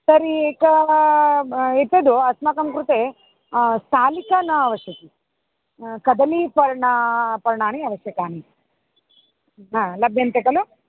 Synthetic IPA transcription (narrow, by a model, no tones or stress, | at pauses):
sɐɾikɐ | et̪ːed̪oɐsmakɐmkɾut̪e | st̪ʰaːlikanɐɐʋɐʃjɐt̪i | kɐd̪ɐlipɐɾɳɐpɐɾɐɳaːniɐʋɐʃjɐkaːni | ɦaːlɐbʱjɐnt̪ekɐlu